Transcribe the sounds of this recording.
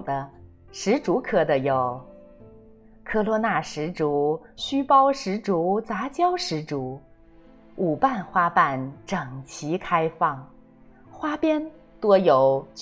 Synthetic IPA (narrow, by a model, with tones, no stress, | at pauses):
d̪ə˦ | ʂɻ̩˧˥ʈ͡ʂu˧˥kʰɤ˥d̪ə˧jo˨˩ʊ | kʰɤ˥lwɔ˧˥na˥˩ʂɻ̩˧˥ʈ͡ʂu˧˥ɕy˥pɑ˥ʊʂɻ̩˧˥ʈ͡ʂu˧˥t͡sa˧˥t͡ɕjɑ˥ʊʂɻ̩˧˥ʈ͡ʂu˧˥ | u˨˩pa˥˩nxwa˥pa˥˩nʈ͡ʂɤ˨˩ŋt͡ɕʰi˧˥kʰa˥ɪfɑ˥˩ŋ | xwa˥pjɛ˥n | t̪wɔ˥jo˨˩ʊt͡ɕ